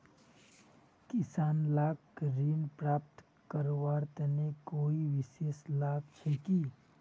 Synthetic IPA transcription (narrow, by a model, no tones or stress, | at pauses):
kɪsaːnlaːɡ | ɾiːnpɾaːp̚t̪ | kəɾoʋaːɾt̪nekoːiʋɪʃeːslaːɡt͡ʃʰeːki